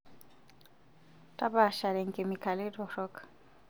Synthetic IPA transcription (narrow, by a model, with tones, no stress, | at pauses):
tʼa˦ba˨ʃa˨ɾɛ˨ŋ̩˨kʼɪ˨mɪ˨kʰa˨lɪ˦dɔ˨ɾɔ˦kḁ˨